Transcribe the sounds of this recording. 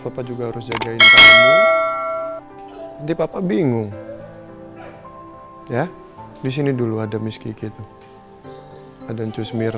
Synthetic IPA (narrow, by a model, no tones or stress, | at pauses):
papad͡ʒuɡahaɾʊs̬d͡ʒaɡaɪnt̪a | t̪ipapabiŋʊŋ | ja | dis̬iniduluadamiskikit̪u | adaɲt͡ʃusmɪr